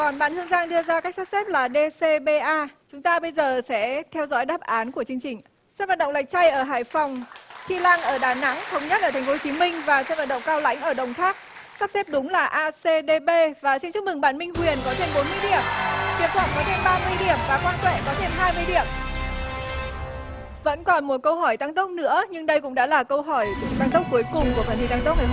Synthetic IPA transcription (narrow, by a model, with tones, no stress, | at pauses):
kɔ˨˩nɓaː˧˩nthɨ˧əŋzaː˧ŋɗɨ˧əzaː˧ka˦˥k̚sa˦˥p̚sɛ˦˥p̚laː˨˩ɗe˧se˧ɓe˧ʔaː˧t͡ɕʊ˨˦ŋ͡mt̪aː˧ɓə˧jzəː˨˩sɛ̰˧˥t̪ʰɛ˧wzɔ̰˧˥jɗaː˦˥p̚ʔaː˨˦nku˧˩ət͡ɕɨ˧əŋt͡ɕï˨˩ŋ̟ | sɛ˦˥t̚vaː˨˩tɗə̰˧˨wla˨˩jk̚t͡ɕa˧jʔəː˧˩ɦa̰ː˧˨˩jfa˨˩wŋ͡mt͡ɕi˧laː˧ŋʔəː˧˩ɗaː˨˩na̰˧˥ŋt̪ʰə˨˦wŋ͡mɲə˦˥t̚ʔəː˧˩t̪ʰŋfo˨˦o˧˩t͡ɕi˨˦mï˧ŋ̟vaː˨˩sɛ˧˦˥va˨˩ɗə̰˧˨ŋ͡mkaː˧wla̰˧˥jŋ̟ʔəː˧˩ɗə̰˧˨˩wŋ͡mt̪ʰaː˦˥k̚saː˦˥p̚sɛ˦˥p̚ɗʊ˨˦ŋ͡mlaː˨˩ʔaː˧se˧ɗe˧ɓe˧vaː˨˩sɛ˧mt͡ɕɨ˦˥mɨ˨˩ŋɓaː˧˩nmï˧ŋ̟kwi˨˩ənkɔ˨˦t̪ʰe˧mɓo˨˦nmɨ˧əjɗḭ˧˩əmḭ˧˩˨mt̪ʰwaː˧˩kɔ˨˦t̪ʰe˧mɓaː˧mɨ˧əjɗi˧˩əmvaː˨˩kwaː˧nt̪wḛ˧˨kɔ˨˦t̪ʰe˧mɦaː˧jmɨ˧əjɗi˧˩əm | və̰˧˥nkɔ˨˩nmu˨˩kə˧wɦɔ˧˩jt̪a˧ŋt̪ə˦˥k͡p̚nɨ̰˧˥əɲɨ˧ŋɗə˧jkʊ̰˧˥ŋ͡mɗa̰ː˧˥laː˨˩kə˧wɦɔ˧˩jt̪aː˧ŋt̪ə˦˥k͡p̚ku˨˦əjkʊ˨˩ŋ͡mku˧˩faː˧˩ni˧˩t̪a˧ŋt̪k͡p̚aː˧˨˩